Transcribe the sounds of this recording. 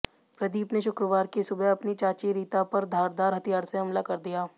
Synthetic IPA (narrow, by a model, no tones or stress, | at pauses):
pɾɐd̪iːpneʃʊkɾəʋaːɾkisʊbɛɐpnit͡ʃaːt͡ʃiɾiːt̪apɐɾd̪ʱaːɾd̪aːɾɦɐt̪ijaːɾseɦɐmlakɐɾd̪ijaː